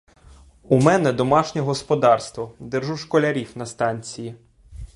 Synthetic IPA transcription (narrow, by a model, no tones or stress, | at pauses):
umɛnɛd̪ɔmɑʃnʲɛɦɔspɔd̪ɑrst̪ʋɔd̪ɪrʒuʃkɔlʲɐɾʲiwnɐst̪ɑnʲt͡sʲiji